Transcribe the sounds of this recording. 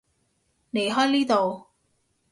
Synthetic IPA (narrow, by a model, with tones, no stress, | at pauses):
nle˨˩jɦɔː˥jniː˥t̪o˨w